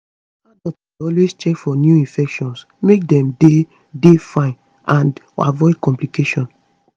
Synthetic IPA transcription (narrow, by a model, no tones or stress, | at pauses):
madɔtaɔlwest͡ʃɛkfɔnjuĩfɛkʃɔ̃ns | mek̚dɛ̃mde | defãɪ̃n | ʔãn | a̰vɔɪdkɔ̃mplikeʃɔ̃n